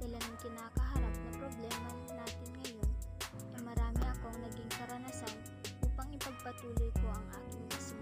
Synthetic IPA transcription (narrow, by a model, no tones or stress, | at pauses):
d̪̥ɐlanɐŋkɪnaːkɐɦɐɾap̚nɐpɾoblɛːmɐ | naːt̪ɪnŋɐjo̞n | t̪ɐmɐɾaːmɪʔɐko̞ʔɐŋnɐɡiŋkɐɾɐnɐsan | ʔuːpɐŋɪpɐɡ̚pɐt̪uːlojko̞ʔɐŋʔaːkɪŋism